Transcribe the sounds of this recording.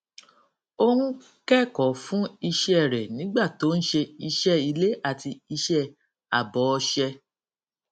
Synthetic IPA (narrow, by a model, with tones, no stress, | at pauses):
o˦hũ˦ | kɛ˦˨kɔ˨˦fũ˦i˧ʃɛ˦˨ɾɛ˨nĩ˨˦ɡ͡ba˦˨to˨˦n̩˦ʃe˧i˧ʃɛ˦i˧le˦ʔa˦˨ti˧i˧ʃɛ˦˨ | a˨bɔ˨˦˧ʃɛ˧